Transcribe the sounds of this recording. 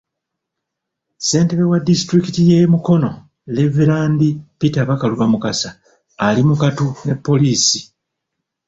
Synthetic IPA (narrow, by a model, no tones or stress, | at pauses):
se̞ːnteβewadistɾikitije̞muko̞no̞ | le̞viɾaːndipitaβakaluβamukasaː | limukatune̞pːo̞liːsi̥